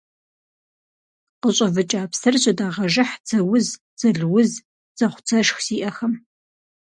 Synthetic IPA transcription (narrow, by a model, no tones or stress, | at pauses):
qəɕʼɐvɨt͡ʃʼaːpsɐrɕʼɪdaːʁɐʒɪħt͡sʰɐwʊz | t͡sɐɮwʊz | z̥ɐχʷʊ̥t͡sʰɐʃxz̥iːʔɐxɐm